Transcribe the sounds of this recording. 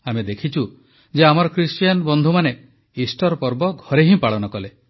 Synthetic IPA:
amed̪ekʰit͡ʃʰu | d͡ʒeamɔɾɔkɾisʈjanbɔnd̪ʱumane | isʈɔɾpɔɾbɔɡʱɔɾeɦĩpaɭɔnɔkɔle

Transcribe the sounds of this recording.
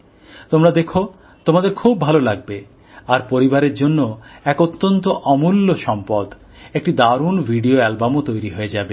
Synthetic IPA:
t̪omɾad̪ekʰo | t̪omad̪eɾkʰubːʱalolaɡ̚be | aɾpoɾibaɾeɾd͡ʑonːoɛkot̪ːont̪oʔɔmulːoʃɔmpɔd̪ | ek̚ʈid̪aɾunbʱiɖioɛlbamot̪ojɾiɦoed͡ʑabe

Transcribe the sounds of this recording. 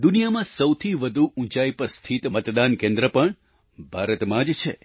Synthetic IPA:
d̪unijamãsəwt̪ʰiʋəd̪ʱuʔũt͡ʃaipəɾst̪ʰit̪mət̪d̪ankẽnd̪ɾəpəɳ | bʱaɾət̪mãd͡ʒt͡ʃʰe

